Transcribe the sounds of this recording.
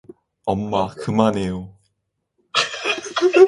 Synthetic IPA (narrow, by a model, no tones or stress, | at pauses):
ʌmːakɯmanejo